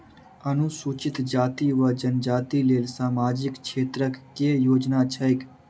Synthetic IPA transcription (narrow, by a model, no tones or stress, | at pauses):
ənʊsuːt͡ʃɪt̪d͡ʒaːt̪iʋəd͡ʒənd͡ʒaːt̪ileːlsaːmaːd͡ʒɪkʃʰeːt̪ɾəkːejoːd͡ʒnat͡ʃʰəɪk